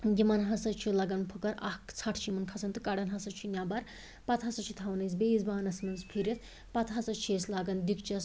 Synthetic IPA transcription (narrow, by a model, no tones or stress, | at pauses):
ɡʲimɐnɦɐsɐt͡ʃʰilɐɡɐnpʰɨkɐɾɐ̰hkt͡sʰɐʈʰt͡ʃʰimɐnkʰɐsɐnt̪ɨkɐɽɐnɦɐsɐt͡ʃʰunʲjaːbɐɾ | pɐt̪ɦɐsɐt͡ʃʰit̪ʰɐwnɐjs̬beizbaːnɐsmɐnzpʰiɾʲɐt̪ʰ | pɐt̪ɦɐsɐt͡ʃʰeːslaɡɐnd̪ikt͡ʃɐs